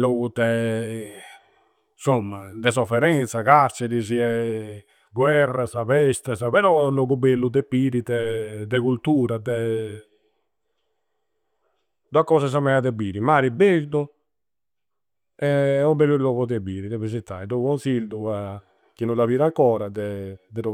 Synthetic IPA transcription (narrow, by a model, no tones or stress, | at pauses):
lɔkut̪ːɛ | nsomːad̪ɛs̬ɔfɛɾɛnt̪sakaɾt͡ʃɛɾis̬iɛ | ɡwɛrːasapɛst̪asapɛɾɔlɔɡubelːud̪ɛpiːɾid̪ɛd̪ɛkult̪uːɾad̪ɛ | d̪wakːɔːsas̬amɛad̪ɛbiːɾimaːɾibeʒd̪ɔ | ɛɔbelːulɔkɔt̪ɛbiːɾid̪ɛpɾis̬it̪ːajd̪ɔkɔnsild̪ua | kinulaviːɾaŋkɔːɾad̪ɛd̪ɛɾɔ